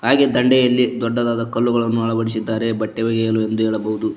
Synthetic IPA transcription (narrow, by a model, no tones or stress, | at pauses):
ɦaːɡed̪ɐɳɖɛjɐlːid̪ɔɖːɐd̪aːd̪ɐkɐlːuɡɐɭɐnːuɐɭɐʋɐɽis̬id̪ːaːɾe̞bɐʈːeʋɐɡɛjɐlue̞nd̪uɦeːɭɐbɐɦud̪u